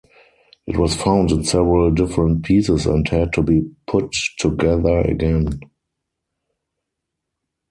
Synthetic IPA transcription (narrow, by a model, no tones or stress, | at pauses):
ʔɪtwɔsfãʊ̃ndɪ̃nsɛvəɹəldɪfəɹə̃nt̚pʰiːsɪsɛ̰̃nthɛd̚tʰubiːpʰʊtʰːuɡɛðə˞ə̰ɡɛ̃n